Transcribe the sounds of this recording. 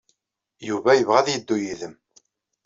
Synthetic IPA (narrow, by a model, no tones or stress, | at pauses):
juvæjəvʁæðjəd̪ːujiðəm